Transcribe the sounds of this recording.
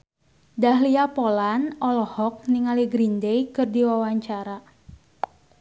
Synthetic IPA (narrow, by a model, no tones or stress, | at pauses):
daɦliapolanɔlɔhɔk̚niŋaliɡɾindejkɨrdiwawaɲt͡ʃaɾa